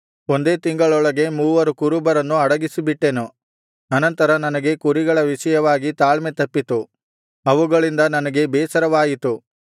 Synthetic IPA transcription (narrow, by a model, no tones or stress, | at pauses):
o̞nd̪e̞ːt̪iŋɡɐɭɔɭɐɡe̞muːʋɐɾukuɾubɐɾɐnːuɐɽɐɡisibiʈːenu | ɐnɐnt̪ɐɾɐnɐnɐɡe̞kuɾiɡɐɭɐʋiʃɐjɐʋaːɡit̪aːɭmet̪ɐpːit̪u | ɐʋuɡɐɭind̪ɐnɐnɐɡe̞bɛːsɐɾɐʋaːjit̪u